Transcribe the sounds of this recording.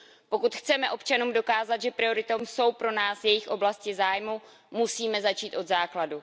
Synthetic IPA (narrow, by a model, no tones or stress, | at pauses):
po̞kut̪xt͡sɛmɛʔo̞pt͡ʃanuːmdo̞kaːzat̪ʒɛpɾɪo̞ɾɪt̪omso̞wpɾo̞naːsjɛjɪxʔo̞blascɪzaːjmu | musiːmɛzat͡ʃiːt̪ʔo̞d̪zaːkladu